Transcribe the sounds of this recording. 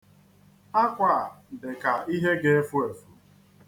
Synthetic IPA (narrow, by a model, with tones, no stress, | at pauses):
a˦kʷa˨dɪ˨ka˨i˦ɦe˦ɡe˦e˦fu˦e˨fu˨